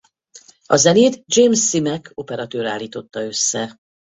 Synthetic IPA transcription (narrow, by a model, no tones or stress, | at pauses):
ɒzɛneːd̪d͡ʒeːmsːimɛkʰo̞pɛɾɒt̪øːɾaːlːiːt̪o̞t̪ːɒø̞sːɛ